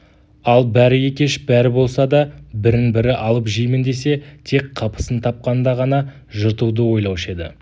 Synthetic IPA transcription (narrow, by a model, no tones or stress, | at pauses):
ɑlˠbæɾɪje̞kʲe̞ʃbæɾɪbo̞lˠsɑd̪ɑbɪɾɪnbɪɾɪʔɑlˠəpʒijmɪnd̪e̞se̞t̪ʰe̞kqʰɑpə̥sənt̪ʰɑp̚qɑnd̪ɑʁɑnɑ | ʒəɾt̪ud̪əwo̞jlˠɑwʃe̞d̪ɪ̰